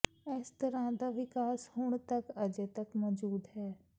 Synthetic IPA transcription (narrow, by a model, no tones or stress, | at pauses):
ɛst̪əɾãːd̪aːʋɪkaːshʊɳt̪əkəd͡ʒeːt̪əkmɔːd͡ʒuːd̪ɦɛː